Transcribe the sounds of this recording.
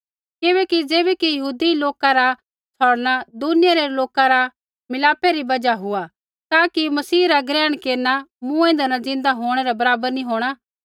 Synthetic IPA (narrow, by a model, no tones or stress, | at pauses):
kɪβɛːkid͡zeːbɛkijɐɦuːd̪iloːkaɾa | t͡sʰɔːɽñad̪ʊnɪjaɾeloːkaɾa | mɪlaːpːeɾibɐd͡ʒaɦʊa | t̪aːkimɐsiːɾaɡɾɛːəɽ̃keːɾnamũẽːnd̪anad͡zɪ̃nd̪aɦoːɽ̃ɛɾɛbɐɾaːbəɾnĩɦoːɽ̃aː